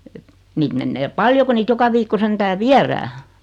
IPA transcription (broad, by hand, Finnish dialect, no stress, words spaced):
et niːt menːeː pɑljo ku niːt jokɑ ʋiːkːo sentæː ʋiæræː